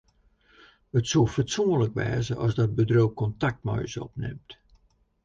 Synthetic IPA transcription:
ətsulˠfətsuənləkʋɛ̰ːzəʔɔzdɔd̚bədrowkɔntak̚tmœ̰jsɔ̰pnɪ̰mt

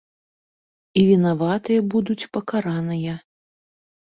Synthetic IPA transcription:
ivʲinavat̪ɨjɐbud̪ut͡sʲpɐkaɾanɨjɐ

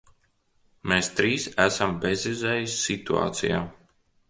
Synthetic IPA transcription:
meːst̪ɾiːsæsambezizɛːjisːit̪ua̰ːt̪sḭja̰ː

